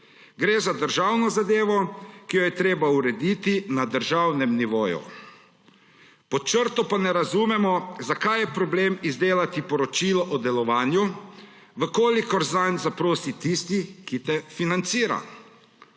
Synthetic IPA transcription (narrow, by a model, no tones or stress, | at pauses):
ɡɾeːzad̪əɾʒaːwnɔzad̪eːʋɔkijɔjɛt̪ɾeːbauɾɛd̪it̪inad̪əɾʒawnɛmniʋoːjṵ | pɔt͡ʃəɾt̪ɔpanɛɾazumɛmɔzakajɛpɾɔbleːmizd̪eːlat̪ipɔɾɔt͡ʃiːlɔʔɔd̪ɛlɔʋaːnju | ʋəkoːlikɔɾzanzapɾoːsit̪ist̪ikit̪ɛfinant̪siːɾa̰